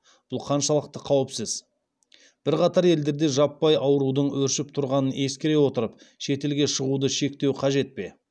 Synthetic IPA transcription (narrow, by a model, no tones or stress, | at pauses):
b̥ʊlˠqʰɑnʃɑlˠəq̚t̪əqʰɑwəpsəz | b̥ɪɾqɑt̪ɑɾe̞ld̪e̞ɾd̪e̞ʒɑpːɑjɑwɾud̪əɴwɵɾʃɪp̚t̪ʰʊɾʁɑnəne̞skʲeɾe̞wo̞t̪əɾəp̚ | ʃe̞t̪e̞lɡʲe̞ʃəʁud̪əʃe̞k̚t̪e̞wqʰɑʒe̞t̪̚pe̞̰